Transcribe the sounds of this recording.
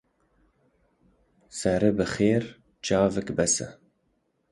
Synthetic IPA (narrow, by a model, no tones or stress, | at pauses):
sɛɾɨbɨχeːɾ | t͡ʃɑːvɨkbɛsɨ̰